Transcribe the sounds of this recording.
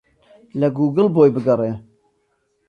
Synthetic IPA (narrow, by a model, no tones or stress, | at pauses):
lɐɡuːɡɨlboːjbɨɡɐreː